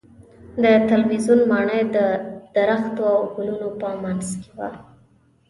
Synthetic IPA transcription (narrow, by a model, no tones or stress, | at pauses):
d̪ət̪alwizunmɑɳəjd̪əd̪̥aɾaxt̪oawɡʊlunopəmanzke̥wa̰